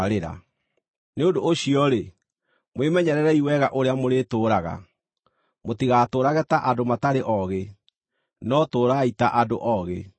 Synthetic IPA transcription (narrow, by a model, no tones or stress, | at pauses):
ɾeɾa̰ | neodoːɕiɔɾe | mwemɛɲɛɾɛɾɛiwɛɣaʔoɾeamoɾeːtoːɾaɣa̰ | motiɣaːtoːɾaɣɛtaʔadomataɾeʔɔɣe | nɔtoːɾaitaʔadoʔɔɣḛ